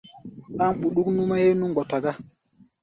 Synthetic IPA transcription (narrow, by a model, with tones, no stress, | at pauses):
ɗa˦mɓu˨ɗu˦knu˦ma˦je˦jnu˦ŋɡɔ˨ta˨ɡa˦